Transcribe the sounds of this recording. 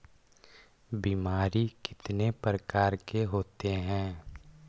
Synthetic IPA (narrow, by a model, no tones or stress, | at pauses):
bimaːɾikɪ̥t̪nepɾəkaːɾkeɦoːt̪eɦɛ̃ː